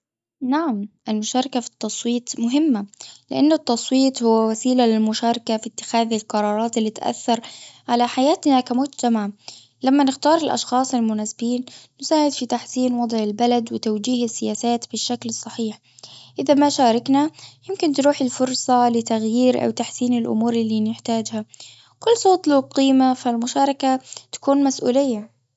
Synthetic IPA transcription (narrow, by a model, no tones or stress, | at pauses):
naʕamʔɪlmʊʃɑːɾˤɑkafi̥t̪ːɑsˤwiːt̪ˤmʊɦɪmːalɪʔanːʊt̪ːɑsˤwiːt̪ˤhʊwːawasiːlalɪlmʊʃaːɾˤɑkafit̪ːɪ̥xaːðɪlqɑɾˤɑːɾˤɑːt̪ɪlːiːt̪ʔa̰θːɑɾˤʕalaħajaːt̪nakamʊd͡ʒt̪amaʕ | lamːanɪxt̪ɑːɾˤɪlʔɑ̰ʃxɑːsˤɪlmʊnaːsɪbiːnː | ʊsaːʕɪd̪fit̪aħsiːnwɑd̪ˤʕɪlbalad̪wɪt̪awd͡ʒiːhɪsːɪjaːsaːt̪bɪʃːaklɨsˤːɑħiːħ | ʔɪðamaʃaːɾˤɑknajɪmkɪnt̪ɾuːħɪlfʊɾˤsˤɑlɪt̪aɣjiːɾʔa̰wt̪aħsiːnɪlʔʊ̰muːɾɪlːiːnɪħt̪aːd͡ʒha | kʊlːsˤoːt̪ˤluqiːmafalmʊʃaːɾˤɑkat̪ḁkuːnmasʔṵːlɪjːa